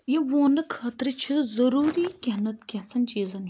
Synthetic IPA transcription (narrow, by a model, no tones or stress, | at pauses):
jiʋoːnɨkʰaːt̪ɾɨt͡ʃʰɨzɐɾuːɾikʲɐnɐt̪kʲɐsɐnʲt͡ʃiːzɐn